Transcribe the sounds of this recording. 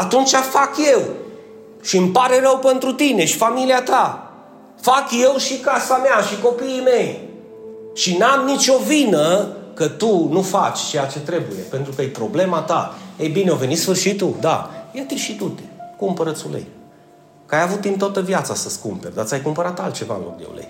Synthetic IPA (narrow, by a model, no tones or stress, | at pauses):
at̪unt͡ʃafakje̞w | ʃiɨmpaɾe̞ɾəwpent̪ɾut̪ine̞ʃifamiliat̪a | fakje̞wʃikasameaʃiko̞piːme̞j | ʃinamnit͡ʃo̞vinəkət̪unufat͡ʃʲt͡ʃe̞jat͡ʃe̞t̪ɾe̞buje̞pe̞nt̪ɾukəjpɾo̞ble̞mat̪a̰ejbineo̞ve̞nit̪sfɨrʃit̪uld̪a̰jat̪iʃit̪ut̪e̥kumpəɾət̪sulḛj | kəajavut̪d̪int̪oat̪əvjat̪sasəskṵmperʲd̪at̪sʲajkumpəɾat̪alt̪̚t͡ʃe̞va̰ɨ̰nlok̚d̪ḛw̰lḛj